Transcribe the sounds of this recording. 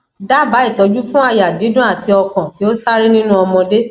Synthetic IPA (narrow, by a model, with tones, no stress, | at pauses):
da˦ba˨˦i˦˨tɔ˨˦d͡ʒu˦fũ˦a˧ja˨di˨˦dũ˦a˦˨ti˧ɔ˧kã˨ti˨˦o˦sa˦ɾi˦nĩ˦nũ˦ɔ˧mɔ̃˧de˦